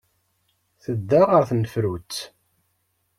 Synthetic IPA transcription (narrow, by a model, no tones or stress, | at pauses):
θəd̪ːaʁəɾθnəfɾut͡sː